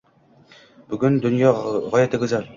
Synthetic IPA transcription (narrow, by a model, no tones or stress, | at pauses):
b̥ɵ̆ɡɵnd̪ɵ̆njɑʁɒjæt̪ɘ̆ɡɘ̆zæl